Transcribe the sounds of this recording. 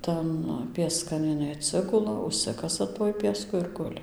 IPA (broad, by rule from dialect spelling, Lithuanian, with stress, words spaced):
ˈtɐn pʲiɛˈskɐn ɪˈnɐɪ ɐtʲˈsʲɪɡʊlˠɐ ʊʃʲˈsʲɪkɐsɐ tuɔj pʲiɛˈskʊ ɪr ˈɡʊlʲɪ